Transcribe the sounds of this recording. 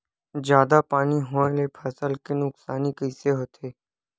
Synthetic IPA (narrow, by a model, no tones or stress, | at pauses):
d͡ʒjaːd̪apaːniɦõːẽlepʰəsəlkenʊksaːnikəɪseɦoːt̪ʰeː